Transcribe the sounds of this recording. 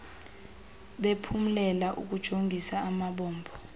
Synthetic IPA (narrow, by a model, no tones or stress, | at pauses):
ɓepʰum̩lɛlaʔṵk̬ud̥ʒ̥ʱoŋɡʱisaːmaɓɔːmbʱɔ